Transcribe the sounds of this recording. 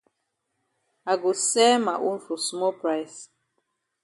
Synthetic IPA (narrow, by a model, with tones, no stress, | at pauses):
a˨ɡo˨sɛ˦ma˨ʔõ˦nfɔ˨smɔ˦pɹa˦ɪs